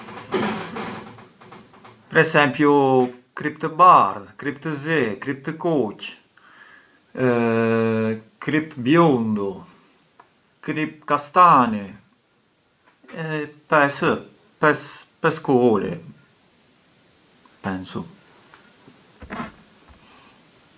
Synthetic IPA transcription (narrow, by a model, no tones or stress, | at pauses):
pɾɛsɛmpjukɾipt̪əbaɾðkɾipt̪əzɛkɾip̚t̪əkɔc | kɾipbjund̪u | kɾip̚kast̪ani | ɛpɛsə | pɛspɛskuɔlḭ | pɛnsṵ